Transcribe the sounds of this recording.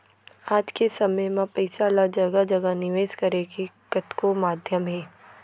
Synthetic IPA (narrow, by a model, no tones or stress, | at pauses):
aːd͡ʒkesɐməjmãpɐɪsaːlad͡ʒɐɡəd͡ʒɐɡənɪʋeːskɐɾeɡe | kɐt̪komaːd̪ʱjəmɦɛː